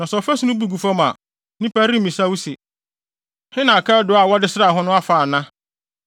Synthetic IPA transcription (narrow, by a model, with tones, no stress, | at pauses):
nã˨sɔ˨fɛ˦su˦nʊ̃˦bu˨ɡu˨fa˦mã̰˨ | nĩ˦pa˦ɾĩ˦mĩ˨sa˦wu˦se˨ | hɪ˦nã˨kʰa˦dʊ˨˦a˨wɔ˦dɪ˦sɪ˦ɾa˨ɦɔ̃˦nʊ̃˦a˦faː˨nã˦